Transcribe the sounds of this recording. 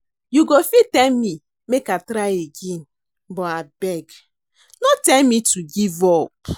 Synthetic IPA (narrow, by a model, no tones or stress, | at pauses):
juɡofitɛlmi | mekatɾaɪeɡẽn | bɔabɛɡ | nɔtɛlmituɡivɔp